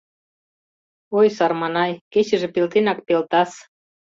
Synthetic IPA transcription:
ojsɑrmɑnɑjket͡ɕə̆ʒĕpelt̪enɑk̚pelt̪ɑs

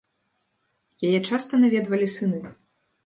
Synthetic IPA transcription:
jajɛt͡ʂast̪ɐnavʲɛd̪vɐlʲisɨnɨ

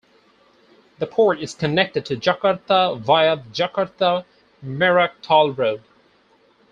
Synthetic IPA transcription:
ðəpʰɔɹɾɪz̥kʰɨnɛk̚tɨd̚tʰɨd͡ʒʌkəɹθəvaɪəðd͡ʒʌkəɹθə | mɛɹək̚tʰɔlˠɹoʊd̥

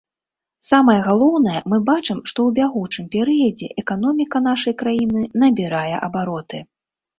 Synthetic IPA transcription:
samɐjɛɣalˠɔwn̪ɐjɛmɨbat͡ʂɨmʂt̪ɔwbʲaɣut͡ʂɨmpʲɛɾɨjɐd͡zʲɛʔɛkan̪ɔmʲikɐnaʂɐjkɾajinɨnɐbʲiɾajɛ̰ʔɐbaɾɔt̪ɨ

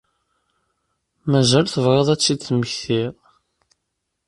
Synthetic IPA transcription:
mæʒælθəvʁˤeðˤæt͡sːiθməçθiʁ

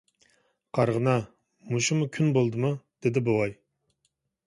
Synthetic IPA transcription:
qʰɑɾʁənɑ | muʃumukʲʰynbolˠd̪ɨmud̪̥ed̪ɪbowɑj

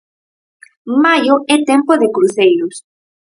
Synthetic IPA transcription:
majʊɛt̪ɛmpoðekɾuθejɾʊs

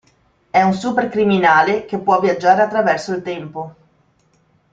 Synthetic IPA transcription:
ɛunsuperkɾiminaːlek̟epːwɔvjad͡ʒːaːɾeat̪ːɾavɛrsoilt̪ɛmpo

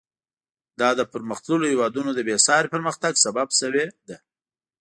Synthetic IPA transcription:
d̪ɑd̪əpəɾməxt̪ləlohewɑd̪unod̪əbesɑɾepəɾməxt̪aɡsababsəwed̪a

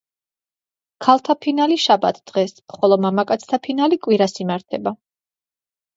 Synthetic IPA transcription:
kʰalˠt̪ʰapʰinaliʃabat̪ʰd̪̥ʁɛsχɔlˠɔmamakʼat̪sʰt̪ʰapʰinalikʼwiɾasimaɾt̪ʰɛba

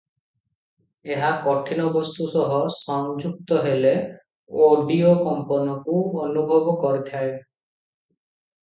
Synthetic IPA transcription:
eɦakɔʈʰinɔbɔst̪usɔɦɔsɔŋd͡ʒuk̚t̪ɔɦele | oɖiokɔmpɔnɔkuɔnubʱɔbɔkɔɾit̪ʰae

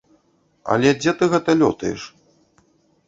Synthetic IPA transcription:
ɐ̰lʲɛd͡zʲɛt̪ɨɣɛt̪ɐlʲɔt̪ɐjɛ̰ʂ

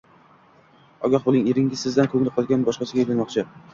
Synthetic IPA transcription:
ɒɡʲɒχbʊlnɪŋeɾɪŋʲɪzsɪzd̪ankʰɵŋlɪqʰɒlˠɡʲanbɒʃqɑsɪɡʲaelanmɒqt͡ʃʰɪ

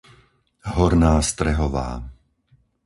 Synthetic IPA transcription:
ɦɔɾnaːst̪ɾɛɦɔʋa̰ː

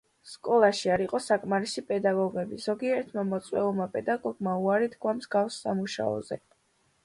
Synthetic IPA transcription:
skʼɔlˠaʃiaɾiqʼɔsakʼmaɾisipʼɛd̪aɡɔɡɛbiz̥ɔɡiɛɾt̪ʰmamɔt̪sʼwɛ̰ulˠmapʼɛd̪aɡɔɡmauaɾid̪ɡʰwamzɡafsːamuʃa̰ɔ̰zɛ

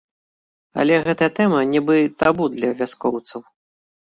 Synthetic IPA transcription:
ɐ̰lʲɛɣɛt̪ɐjɐt̪ɛmɐnʲɛbɨt̪abud̪lʲɐvʲaskɔwt̪sɐw

